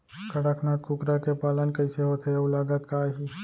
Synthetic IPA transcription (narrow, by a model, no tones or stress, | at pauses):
kɐɽakʰnaːt̪kukɾakepaːlənkəɪseɦoːt̪eeʊlaːɡət̪kaːɦiː